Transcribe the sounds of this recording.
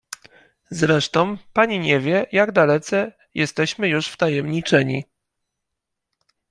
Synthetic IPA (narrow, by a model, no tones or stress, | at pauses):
zɾɛʂt̪ɔ̃w̃paɲiɲɛvʲjɛjaɡd̪alɛt̪sɛ | jʔɛst̪ɛɕmɘjuʂft̪ajɛmɲit͡ʂɛɲḭ